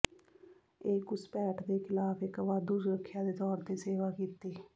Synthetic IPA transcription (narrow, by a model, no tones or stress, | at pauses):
eːkʊspɛːʈd̪eːkʰɪlaːpɪkʋaːd̪uːd͡ʒɾəkʰːjãːd̪eːt̪ɔːɾt̪eːseːʋaːkiːt̪eː